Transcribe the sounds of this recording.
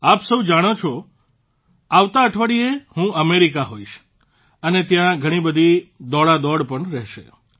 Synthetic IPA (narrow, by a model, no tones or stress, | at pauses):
apsəʋd͡ʒaɽ̃ot͡ʃʰo | aʋt̪aəʈʰʋaɽiehũʔəmeɾikaɦoiʃ | ənet̪jãɡʱəɽ̃ibəd̪ʱid̪ɔɭad̪ɔɽpəɳɾɛɦʃḛ